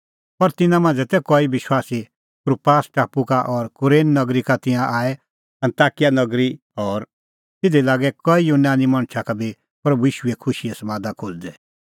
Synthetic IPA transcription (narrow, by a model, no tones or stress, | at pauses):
pɐɾt̪ɪnãmãːnd͡zɛt̪ɛkɔibɪʃwaːsi | kɾupaːsʈaːpukaʔɔɾkʊɾeːnnɐɡɾikat̪ɪ̃ãʔaːɛ | ɐ̃nt̪aːkɪjanɐɡɾi | ɔːɾ | t̪ɪd̪ilaːɡɛkɔijunaːnimɐɽ̃t͡ʃʰakabʱi | pɾɐbujiːʃʊɛkʰʊʃiɛsɐmãːd̪akʰoːld̪ɛ